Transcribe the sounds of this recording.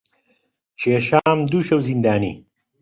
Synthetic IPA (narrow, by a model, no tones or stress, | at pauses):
t͡ʃeːʃaːmd̪uʃɐwzind̪aːnḭ